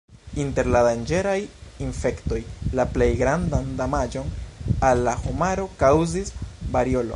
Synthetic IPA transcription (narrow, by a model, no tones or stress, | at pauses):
inte̞ɾladand͡ʒe̞ɾajinfe̞kto̞jlaple̞jɡɾandandamad͡ʒo̞nalːahomaɾo̞kawzisbaɾio̞lo̞̰